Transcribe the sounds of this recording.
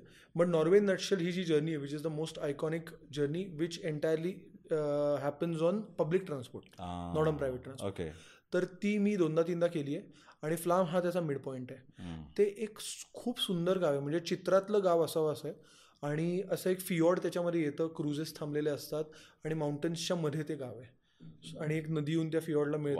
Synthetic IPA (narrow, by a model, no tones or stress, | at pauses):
bəʈnɔɾʋenːəʈɕəlɦiːd͡ʑiːd͡ʑəɾnieʋit͡ɕizd̪əmosʈajkɔnikd͡ʑəɾniʋit͡ɕeɳʈajəɾli | ɦæpənsɔnpəblik̚ʈɾanspɔɾʈa̰nɔɽənpɾajʋeʈːɾãnso̰ɔḛ | t̪əɾt̪iːmiːd̪õnd̪at̪ind̪akeliːje | aɽ̃iflamɦat̪jat͡samiɽpɔiɳʈat̪eʔekkʰuːbsund̪əɾɡaʋem̤əɳd͡zet͡ɕit̪ɾat̪ləːɡaʋəsaʋəsəj | aɽ̃iəsəekfiɔɽt̪jat͡ɕjaməd̪ʱːejet̪əːkɾud͡zest̪ʰãmleleəst̪at̪aɽ̃imauɳʈənst͡ɕaməd̪ʱːjet̪eɡaʋe | aɽ̃ieknəd̪iuːnt̪jafiɔɽlamiɭt